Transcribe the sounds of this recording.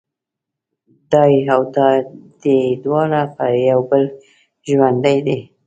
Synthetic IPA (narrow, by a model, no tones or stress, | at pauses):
d̪ɑjawd̪ɑd̪̥ed̪wɑɾapəjawbəl | ʒwand̪ajd̪e